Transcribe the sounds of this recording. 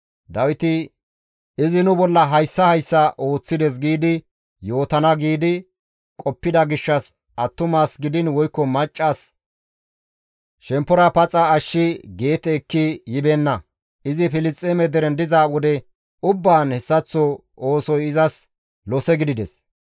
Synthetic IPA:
d̪ɐwɪt̪ɪ | ɪzɪnʊbɔlːɐɦɐjsːɐhɐjsːɐʔo̞ːt͡sːɪd̪ɛs̬ɡiːd̪ɪ | jo̞ːt̪ɐnɐɡiːd̪ɪ | kʼɔpːɪd̪ɐɡɪʃːɐs | ʔɐt̪ːʊmaːsɡɪd̪ɪnwɔjkːɔmɐt͡ʃʼːas | ʃɛmpːɔɾɐpɐt͡sʼɐːʃːɪɡe̞ːt̪ɛːkːɪjɪbɛnːɐ | ɪzɪfɪlɪst͡sʼːeːmɛd̪ɛɾɛnd̪ɪzawɔd̪ɛ | ʊbːaːnhɛsːɐt͡sːɔ | oːsɔjɪzɐs | lɔsɛɡɪd̪ɪd̪ɛs

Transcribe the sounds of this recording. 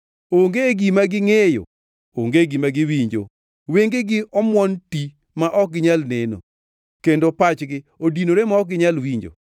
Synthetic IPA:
oŋɡeɡimaɡɪŋejo̰ | oŋɡeɡimaɡɪwiɲd͡ʒo̰ | weŋɡeɡɪʔɔmwɔnti | maʔɔk̚ɡɪɲalneno̰ | kendopat͡ʃɡɪodinoɾemaɔk̚ɡɪɲalwiɲd͡ʒo̰

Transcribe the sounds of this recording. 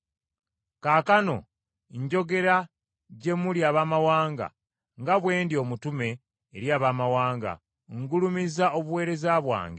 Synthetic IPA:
kaːkano̞̰ | ɲɟo̞ɡe̞ɾa | ɟe̞muljaːβaːmawaːŋɡa̰ | ŋɡaβwe̞ːndio̞mutume̞ː | ɾjaːβaːmawaːŋɡa̰ | ŋɡulumizao̞βuwe̞ːɾe̞zaβwa̰ːŋɡe

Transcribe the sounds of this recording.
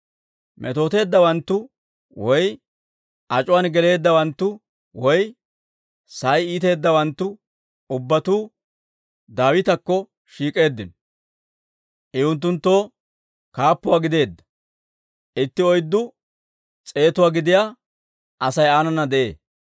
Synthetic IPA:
mʔɛ̰t̪o̞ːt̪e̞ːd̪ːɐwɐnt̪ːʊ | wɔj | ʔɐt͡ʃʼʊwanɡɛle̞ːd̪ːɐwɐnt̪ːʊ | wɔj | sɐjiːt̪e̞ːd̪ːɐwɐnt̪ːʊ | ʊbːɐt̪uː | d̪aːwɪt̪ɐkːɔ | ʃiːkʼe̞ːd̪ːɪnɔ | ʔɛʊnt̪̬ːʊnt̪ːo̞ː | kaːpːʊwaːɡɪd̪e̞ːd̪ːɐ̥ | ʔɪt̪ːɪɔjd̪ːʊ | t͡sʼe̞ːt̪ʊwaːɡɪd̪ɪjaː | ʔɐsɐjaːnɐnɐd̪ɛʔḛː

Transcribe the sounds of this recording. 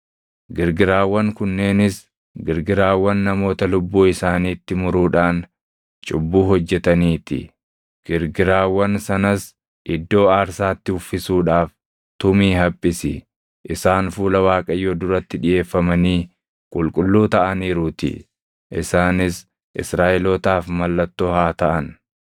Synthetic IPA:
ɡɪɾɡɪɾaːwːɐŋkʊnːe̞ːnɪs | ɡɪɾɡɪɾaːwːɐnːɐmo̞ːt̪ɐlʊbːuːɪsaːniːt̪ːɪmʊɾuːᶑaːn | t͡ʃʼʊbːuːɦɔd͡ʒːɛt̪ɐniːt̪ɪ̰ | ɡ̥ɪɾɡɪɾaːwːɐnsɐnɐs | ʔɪd̪ːo̞ːaːɾsaːt̪ːɪhʊfːɪsuːᶑaːf | t̪ʊmiːɦɐpʼːɪsɪ | ʔɪsaːnfuːlɐwaːkʼɐjːoːd̪ʊɾɐt̪ːɪᶑɪje̞ːfːɐmɐniː | kʼʊlkʼʊlːuːt̪ɐʔɐniːɾʊt̪ɪ̰ | ʔɪsaːnɪs | ʔɪ̰sɾaːʔɪlɔːt̪aːfmɐlːɐt̪ːoːhaːt̪ɐʔɐn

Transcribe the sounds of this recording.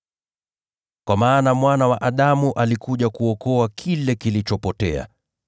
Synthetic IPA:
kwamaːnamwanawaʔaɗamuʔalikuʄakuɔkɔakʰilɛkilit͡ʃɔpɔtɛa̰

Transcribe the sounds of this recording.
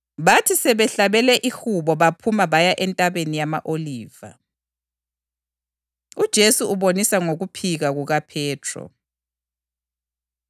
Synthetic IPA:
βatʰisɛβɛɬaβɛlɛʔixuβɔβapʰumaβajaʔɛntʼaβenijama̰ʔoliːva̰ | ud̥ʒ̥ʱesuuβonisaŋoɣupʰiɣaɣuɣapʰɛːtʰrɔ̰

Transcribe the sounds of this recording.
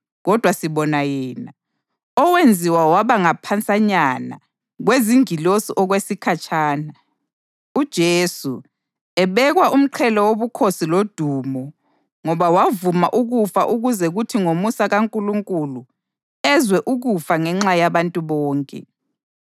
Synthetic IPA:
ɣɔd̥ʱwasiβɔnajɛːna | ɔwend͡zʱiwawaβaŋapʰant͡sʼaɲana̰ | ɣweziŋilosiʔɔɣwesikʰat͡ʃʰʼaːna | ud̥ʒ̥ʱesṵ | ɛβɛɣwaʔum̩ǃʰɛlɔwoβukʰosilod̥ʱumɔ | ŋɔβawavuma̰ʔuɣufaʔuɣuzɛɣutʰiŋomusaɣaŋkʼuluŋkʼulu | ɛzwɛʔuɣufaŋɛŋ͡ǁajaβantʼuβɔːŋkʼɛ̰

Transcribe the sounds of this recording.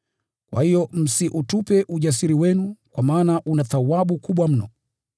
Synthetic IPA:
kwa̰hijɔm̩siʔutupɛʔuʄas̬iɾiwɛnukwamaːnaʔunaθawaɓukuɓwam̩nɔ

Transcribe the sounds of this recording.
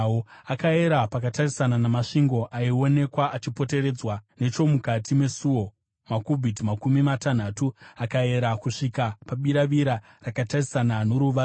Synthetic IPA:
oakae̞ɾapakatarisananamaʂiŋɡo̞ʔaio̞ne̞kwaat͡ʃipo̞te̞ɾe̞ːd͡zwane̞t͡ʃo̞mukatime̞suo̞ | makubʱitimakumimatan̤atuakae̞ɾakuʂikapaɓiɾaʋiɾa | rakatarisananoɾuʋa

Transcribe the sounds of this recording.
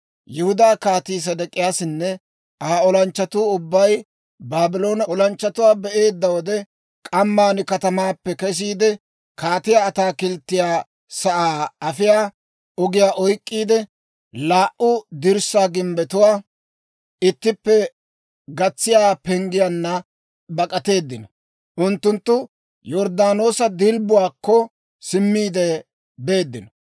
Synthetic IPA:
jɪhʊd̪aːkaːt̪iːs̬ɐd̪ɐkʼːɪjaːsɪnːɛ | ʔaːɔlɐnt͡ʃːɐt̪uːʊbːɐj | baːbɪlo̞ːnɐɔlɐnt͡ʃːɐt̪ʊwaːbɛʔe̞ːd̪ːɐwɔd̪ɛ | kʼɐmːaːnɪkɐt̪ɐmaːpːɛkɛs̬iːd̪ɛ | kaːt̪ɪjaːt̪aːkɪlt̪ːɪjaː | sɐʔaːɐfɪjaː | ɔɡɪjaːʔɔjkʼːiːd̪ɛ | laːʔʊd̪ɪɾsaːɡɪmbɛt̪ʊwaː | ɪt̪ːɪpːɛ | ɡɐt͡sːɪjaːpɛŋɡɪjanːɐ | bɐkʼɐt̪e̞ːd̪ːɪnɔ | ʔʊnt̪ːʊnt̪ːʊ | jɔɾd̪aːno̞ːsɐd̪ɪlbʊwaːkːɔ | sɪmːiːd̪ɛ | be̞ːd̪ːɪnɔ

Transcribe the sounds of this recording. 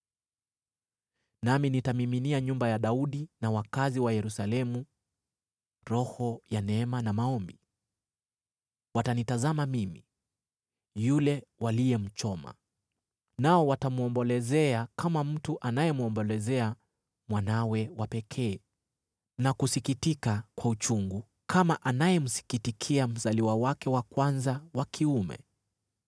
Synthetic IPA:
naminitamiminiaɲumbajaɗauɗinawakaziwajɛɾusalɛmu | ɾɔhɔjanɛmanamaɔmbi | watanitazamamimḭ | julɛwalijɛm̩t͡ʃɔma̰ | naɔwatamuɔmbɔlɛzɛakamam̩tuʔanajɛmuɔmbɔlɛzɛa | mwanawɛwapɛkʰɛː | nakusikitikakwaut͡ʃuŋɡu | kʰamaʔanajɛm̩si̥kitikʰiam̩zaliwawakɛwakwanzawakʰiumɛ̰

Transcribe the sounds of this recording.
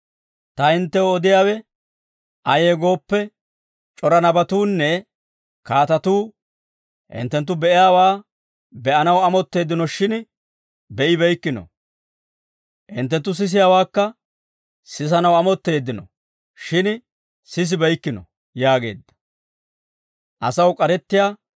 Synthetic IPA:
t̪ɐhɪnt̪ːɛwɔd̪ɪjaːwɛ | ɐjeːɡo̞ːpːɛ | t͡ʃʼɔɾɐnɐbɐt̪uːnːɛ | kaːt̪ɐt̪uː | hɪ̰nt̪ːɛnt̪̬ːʊbɛʔɪjaːwaː | bɛʔɐnɐwɐmɔt̪ːe̞ːd̪ːɪnɔʃɪn | bɛʔɪbɛjkːɪnɔ̰ | ʔɪ̰nt̪ːɛnt̪ːʊs̬ɪs̬ɪjaːwaːkːɐ | sɪs̬ɐnɐwɐmɔt̪ːe̞ːd̪ːɪnɔ̰ | ʃɪn | sɪs̬ɪbɛjkːɪnɔ̰ | jaːɡe̞̰ːd̪ːɐ̥ | ʔɐsɐwkʼɐɾɛt̪ːɪjaː

